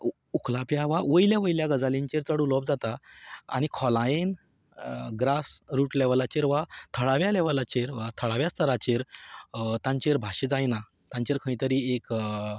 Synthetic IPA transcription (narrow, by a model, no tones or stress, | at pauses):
uklapjaʋaʋəjljaʋəjljaɡəd͡zalĩɲt͡ɕeɾt͡səɽulɔbd͡zat̪a̰ːñikʰɔlajen | ɡɾasɾuːʈlɛʋalat͡ɕeɾʋat̪ʰəɭaʋjalɛʋalat͡ɕeɾʋat̪ʰəɭaʋjast̪ʰəɾat͡ɕeɾ | t̪ãɲt͡ɕeɾbʱaɕed͡zajna | t̪ãɲt͡ɕeɾkʰə̃ĩt̪əɾiːek